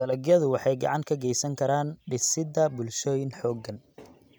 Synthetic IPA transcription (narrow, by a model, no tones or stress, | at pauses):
dɐlɐɡjɐðʊwɑħɑjɡɑ̰ʕɑŋkʰɐɡɛjsɐŋkʰɐɾaːnɖɪsɪd̪ɐbʊlʃɔːjɪnħɔːɡːɐn